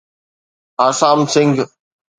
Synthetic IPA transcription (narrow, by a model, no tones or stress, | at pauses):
asaːmsɪŋɡ